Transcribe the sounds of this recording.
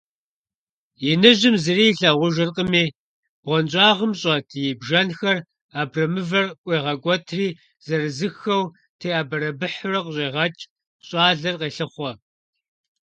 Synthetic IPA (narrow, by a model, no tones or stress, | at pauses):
jɪnɨʒɪmzɨriːɬɐʁʷʊʒɨrqʼəmiː | b̥ʁʷɔnt͡ʃʼɑːʁəmɕʼɐtʰjɪbʒɐnxɐr | aːbrɐmɨvɐrkʷʼeːʁɐɡʷʼɔtʰriː | z̥ɐrɨzɨxɐw | tʰeːaːbɐɾɐbɨħʊrɐqəɕʼeːʁɐt͡ʃʼ | ɕʼɑːɮɐrqeːɬɨχʷɔ